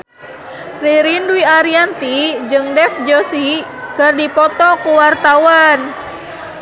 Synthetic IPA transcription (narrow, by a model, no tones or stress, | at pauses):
riɾinduiaɾiant̪id͡ʒɨŋdɛfd͡ʒɔsikɨrdipɔt̪ɔkuwart̪awan